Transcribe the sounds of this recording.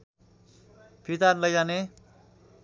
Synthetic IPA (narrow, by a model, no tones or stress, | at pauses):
pʰit̪anlʌjzane